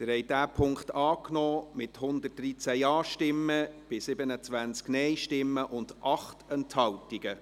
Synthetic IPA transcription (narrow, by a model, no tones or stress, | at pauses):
t̪ɪɾhɛɪjdæːpʰʊŋktɑːknɔːmɪthʊndət̚d̥ɾit͡sæjɑːʃtɪmːəb̥ɪsɪbənət͡sʋænt͡sknɛjʃtɪmːəʔʊnd̥ʔɑχtɛnthɑltiɡ̥ə